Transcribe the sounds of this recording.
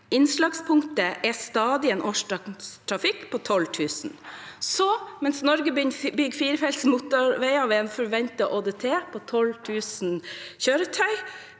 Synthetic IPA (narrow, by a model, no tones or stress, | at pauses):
ɪnslɑɡspʰʊŋt̪əʔɛst̪ɑːd̪ɪeːnʔɔʂɑst̪ʰɾɑfɪkːpʰoːt̪ʰɔlt̪ʰʉːsn̩sɔmɛnsnɔɾɡəbʏnbʏɡfiːɾəfɛlt̪smut̪ɔɾʋæɪɑʋɛːɛnfɔɾʋɛnt̪ɑʔoːd̪et̪ʰeːpʰoːt̪ʰɔlt̪ʰʉːsn̩çøːɾət̪ʰœʏ